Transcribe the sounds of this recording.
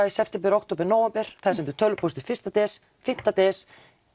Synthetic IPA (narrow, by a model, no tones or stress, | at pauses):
aisɛft̪ɛmpɪɾɔwk̚t̪oːpɛɾnaːwɛmpɛɾ̥θasɛmt̪ʏ̥ɾt̪ʰœlːʏpʰɔst̪ʏɾfɪ̥st̪at̪ɛs | fɪn̥t̪at̪ɛs